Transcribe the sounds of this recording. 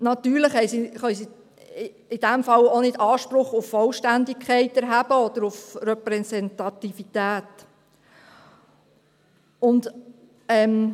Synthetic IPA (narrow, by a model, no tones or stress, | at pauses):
nɑt̪yːɾləχhɛjsiχœʏsi | ɪd̥æmfɑlonɪdɑːʃpɾʊχʊfːɔlʃtændɪkʰχɛɪtɛɾɦæb̥əɔd̪̥əɾʊfɾɛpɾɛsɛnt̪ɑtifit̪æːt | ʊnd | ɛm